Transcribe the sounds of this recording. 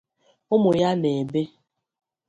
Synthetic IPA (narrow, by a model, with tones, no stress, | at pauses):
ʊ˦mʊ˨ja˦ne˨be˦